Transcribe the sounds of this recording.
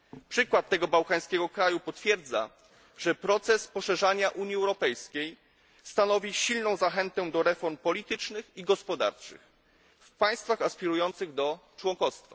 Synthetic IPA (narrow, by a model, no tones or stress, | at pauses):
pʂɘkwat̪ːɛɡɔbawkaj̃skʲɛɡɔkɾajupɔt̪fʲjɛɾd̪za̰ | ʐɛpɾɔt̪sɛspɔʂɛʐaɲaʔuɲiɛwɾɔpɛjskʲej | st̪anɔvʲiɕilnɔ̃w̃zaxɛnt̪ɛd̪ɔɾɛfɔɾmpɔlʲit̪ɘt͡ʂnɘxiɡɔspɔd̪a̰ɾt͡ʂɘ̰x | fpaj̃st̪faxaspʲiɾujɔnt̪sɘɣd̪ɔt͡ʂwɔŋkɔst̪fa̰